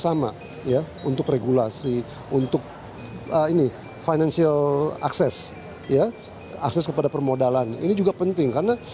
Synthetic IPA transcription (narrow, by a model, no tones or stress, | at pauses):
sama̰ | ja | unt̪ʊkreɡulasi | unt̪ʊk̚ | əini | fajnansiala̰ksɛs | ja | a̰ksɛskəpadapərmodalanḭnid͡ʒuɡapənt̪ɪŋkarəna